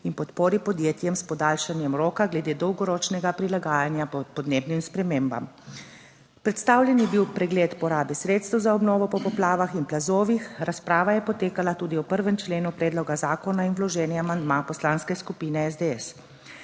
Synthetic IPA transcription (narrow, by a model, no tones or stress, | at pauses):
inpɔt̪poːɾipɔd̪jeːt̪jɛmspɔd̪aːlʃanjɛmɾoːkaɡlɛd̪eːd̪ɔwɡɔɾɔːt͡ʃnɛɡapɾilaɡaːjanjapɔd̪neːbnimspɾɛmeːmba̰m | pɾɛt̪st̪aːwlʲjɛnjɛbiwpɾɛɡleːt̪pɔɾaːbɛsɾeːt̪st̪əwzaɔbnɔːʋɔpɔpɔplaːʋaxinplazoːʋixɾaspɾaːʋajɛpɔt̪eːkalat̪uːd̪iwpəɾʋɛmt͡ʃleːnupɾɛːd̪lɔɡazaːkɔnainwlɔʒɛːnjɛamand̪mapɔslaːnskɛskupiːnɛɛzd̪eɛs